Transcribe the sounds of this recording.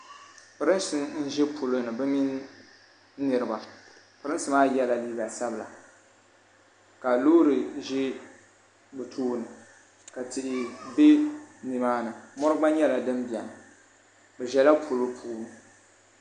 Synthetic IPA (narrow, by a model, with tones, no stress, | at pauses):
pɨ˨ɾɨ˦n˦sɨ˦n̩˦ʒɛ˦pʰu˨lo˦nɨ˨bɨ˦mi˦n˦ | nɨ˨ɾɨ˨ba˨ | pɨ˨ɾɨ˦nsɨ˨˦maː˦jɛ˦la˨liː˦ɡa˨sa˦bɨ˨la̰˨ | ka˨loː˦ɾɨ˨ʒɛ˦ | bɨ˨tʰuː˦nɨ˨ | ka˨tɪ˨ʔɪ˨be˦ni˨maː˦nɨ˨mɔ˦ɾɨ˦ɡ͡ba˦ɲɛ˦la˨dɨ˦mbi˨ɛ˨nɨ˨ | bɛ˨ʒɛ˨la˦pʰu˨lo˦pʰu˦˨˦m˨